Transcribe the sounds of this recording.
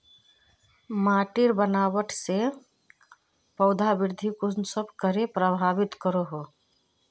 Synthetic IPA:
maʈiɾbənawəʈʰse | pəʊd̪ʱabiɾd̪ʱikud͡ʒnsəbʱkəɾepɾəbʱabit̪kəɾoɦo

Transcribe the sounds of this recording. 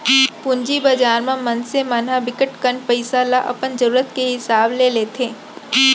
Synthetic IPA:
pʊ̃ɲd͡ʒibad͡ʒaːɾmẽmɐnsemaːnɦabɪkəʈkəɳpəɪsalaʔɐ̰pənzəɾuːɾət̪keɦɪsaːbleleːt̪ʰeː

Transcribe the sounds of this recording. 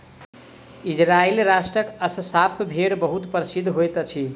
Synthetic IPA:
id͡zɾailɾasʈrʌkʌsəsapʰbʱeɽbʌɦut̪pəɾsid̪ʱɦojt̪ʌt͡sʰi

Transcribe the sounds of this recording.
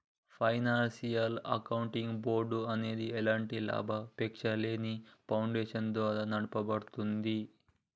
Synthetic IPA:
pʰɐjnaːnsijɐlɐ̰kɐwuɳʈiŋɡbo̞ːɾɖuɐne̞ːd̪iɛlaːɳʈila̰ːbʱɐpekʂɐleːnipʰɐwɳɖeːʂɐnd̪ʋaːɾanɐɽupɐbɐɽut̪und̪i

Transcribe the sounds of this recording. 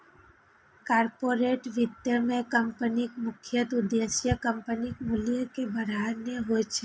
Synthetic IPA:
kaɾpoɾeʈʋɪd̪jəmẽkəmpənikmʊkʰjət̪ʊd̪esjəkəmpənikmuljəkebəɾaɾneɦojt͡ʃʰe

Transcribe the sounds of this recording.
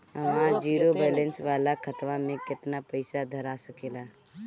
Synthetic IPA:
əmãd͡ʒiːɾobɛːlẽnsʋaːlakʰət̪ʋamẽkɪt̪napəɪsad̪ʱəɾasəkeːla

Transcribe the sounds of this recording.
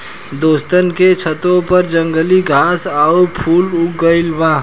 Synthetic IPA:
d̪oːst̪ənket͡ʃʰət̪õpəɾd͡ʒə̃ŋɡəliɡʱaːsaːopʰuːlʊɡəɪlʋãː

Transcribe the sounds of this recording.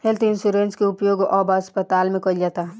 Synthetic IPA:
helt̪ʰɪnsuɾẽnʈskeʊpjoːɡɔbəspət̪aːlmẽkɔid͡ʒat̪a

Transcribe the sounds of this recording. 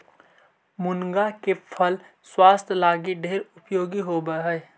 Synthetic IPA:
mʊnɡakepʰəl | swaːst̪ʰlaːɡiɖʱeːɾʊpjoːɡiɦobəɦə

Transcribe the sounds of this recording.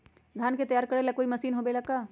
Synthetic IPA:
d̪ʱaːnket̪ɐjaːɾkɐɾelakoːimɐsiːnɦobelɐkaː

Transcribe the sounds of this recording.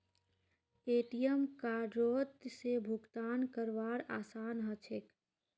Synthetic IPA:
eʈijəmkaːɖɾot̪sebʱuɡt̪aːnkəɾʋaɾaːsaːnɦət͡ʃʰek

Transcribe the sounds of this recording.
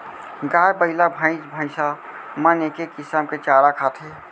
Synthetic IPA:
ɡajbəɦlabʱə̃ɪ̃sbʱə̃ɪsa | mənekekisamket͡ʃaɽakʰat̪ʰe

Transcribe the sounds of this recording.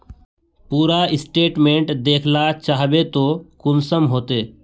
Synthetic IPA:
puːɾaɪsʈeːʈmẽːɳʈd̪eːkʰlat͡ʃaːɦbet̪okʊnsəmɦoːt̪eː

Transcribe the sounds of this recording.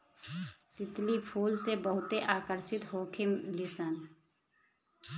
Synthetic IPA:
t̪ɪt̪lipʰuːlsebəɦʊt̪eʔaːkəɾsɪt̪ɦoːkʰɪmlɪsən

